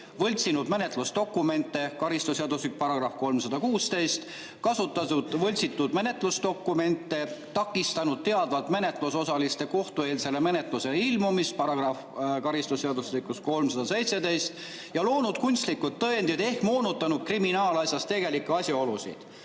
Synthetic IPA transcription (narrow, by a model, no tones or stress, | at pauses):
vɤ̞lʲt̪sinud̪me̞ne̞t̪lust̪o̞kːˑume̞nt̪ːˑe̞kɑɾist̪useɑd̪uslik̚pɑɾɑɡ̥rɑfko̞lmsɑd̪ɑkuːst̪e̞jst̪ | kɑsut̪ːˑɑud̪̥vɤlʲt̪sit̪ːˑud̪̥me̞ne̞t̪ˑlusd̪o̞kːume̞nt̪ːˑe̞t̪ɑkːˑist̪ɑnud̪̥̚t̪e̞ɑd̪vɑlt̪me̞ne̞t̪ˑluso̞sɑlist̪e̞ko̞ht̪ue̞ːlse̞le̞me̞ne̞t̪ˑluse̞lilmumispɑɾɑɡ̥rɑfkɑɾist̪useɑd̪uslikːˑusko̞lmsɑd̪̥ɑse̞jt̪se̞d̪e̞jst̪ | jɑlo̞ːnud̪̥kunʲst̪likːut̪ːɤend̪̥id̪e̞hkmo̞ːnut̪ːˑɑnud̪̥̚kriminɑːlɑsʲjɑst̪e̞ɡ̥e̞likːeɑsʲjɑo̞lusḭd̪̥